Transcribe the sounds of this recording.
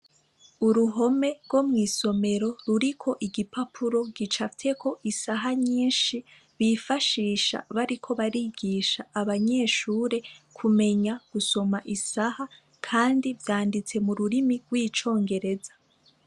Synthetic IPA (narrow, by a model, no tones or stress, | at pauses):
uɾuɦo̞me̞ɾɡo̞mŋiːso̞me̞ɾo̞ɾuɾikʰo̞ʔiɡipapʰuɾo̞ɡit͡ʃafitʰe̞kʰo̞ʔisaɦaɲiːnʃi | βifaʃiːʃa̰βaɾikʰo̞βaɾiɡiːʃaːβaɲe̞ːʃuːɾe̞kʰume̞ɲaɡ̥uso̞maʔisaha | kʰaːndivjaːndit͡se̞muɾuɾimiɡwiːt͡ʃo̞ːŋɡe̞ɾe̞zḁ